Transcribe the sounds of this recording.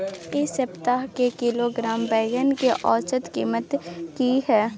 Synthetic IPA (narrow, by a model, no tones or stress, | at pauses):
esəpt̪aːɦkekiloɡɾaːmbɛːɡənkeʔɔːt͡ʃət̪kiːmət̪kihɛː